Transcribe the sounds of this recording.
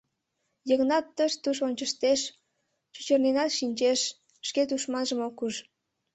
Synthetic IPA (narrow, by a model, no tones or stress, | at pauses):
jəɣnɑt̪ːəʃt̪uʃ̬onʲt͡ɕəʃt̪eʃ | ʃut͡ɕərnenɑt̪ʃinʲt͡ɕeʃ | ʃket̪̬uʃmɑnʒəmokuʒ